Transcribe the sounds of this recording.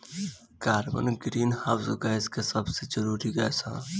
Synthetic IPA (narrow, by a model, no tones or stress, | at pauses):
kaːɾmə̰nɡɾiːnhaːwsuɡaːɪzkesɐbsed͡ʒəɾuːɾiɡɐ̰ːsʰã̰ː